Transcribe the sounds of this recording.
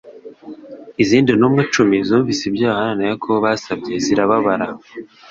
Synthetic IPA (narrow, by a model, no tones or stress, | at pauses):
iziːndinuːmŋet͡ʃumizuːɱvisibɟaːhananajekʰoβaːsabɟe̞ziɾaβaβaɾa